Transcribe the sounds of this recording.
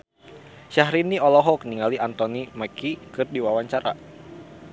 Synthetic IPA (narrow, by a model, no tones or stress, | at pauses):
ʃaɦɾiniɔlɔɦɔk̚niŋaliʔant̪ɔnimakikɨrdiwawaɲt͡ʃaɾa̰